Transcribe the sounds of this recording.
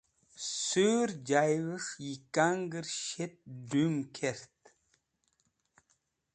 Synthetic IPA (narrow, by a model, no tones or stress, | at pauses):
søɾd͡ʒajwəʂjikaŋɡəɾʃet̪̚dumkʰeɾt̪